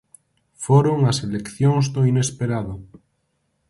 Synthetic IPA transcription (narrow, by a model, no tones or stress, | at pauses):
foɾoŋaselekθjoŋzdoinespeɾaðo